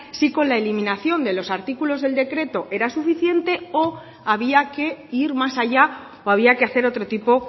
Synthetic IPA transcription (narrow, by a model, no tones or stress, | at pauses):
siko̞nlaelimĩnaθjo̞nd̪e̞lo̞saɾt̪ikulo̞zðe̞ld̪e̞kɾe̞t̪o̞ʔe̞ɾasufiθje̞nt̪e̞o | aβ̞iake̞iɾmasaʝa | oaβ̞iake̞aθe̞ɾo̞t̪ɾo̞t̪ipo̞